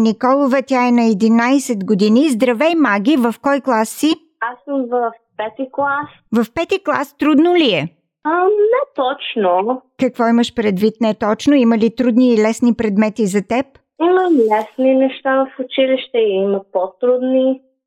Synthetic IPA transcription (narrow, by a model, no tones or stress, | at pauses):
nikɔlˠovət̪ʲjaɛnɐɛd̪inajsɛt̪ɡod̪inizd̪ɾɐvɛjmaɡʲivɐfkɔjklˠasːi | asəmvəfpɛt̪iklˠas | vɐfpɛt̪iklˠa̰st̪ɾud̪noliɛ | anɛt̪ɔt͡ʃnokɐkvɔiməʃpɾɛd̪vit̪nɛt̪ɔt͡ʃnoiməlit̪ɾud̪niːlɛsnipɾɛd̪mɛt̪izɐt̪ɛp̚ | iməlɛsninɛʃt̪avəfʊt͡ʃiliʃt̪ɛiməpot̪ɾud̪ni